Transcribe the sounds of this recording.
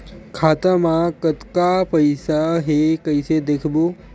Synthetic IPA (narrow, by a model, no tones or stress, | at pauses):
kʰaːt̪əmãkət̪kapəɪsaɦekəɪsed̪eːkʰbo